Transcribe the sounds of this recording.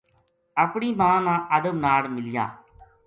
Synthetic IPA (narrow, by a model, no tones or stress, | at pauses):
əpɳiːmãːnãːʔəd̪əbnaːɽmɪlɪja̰ː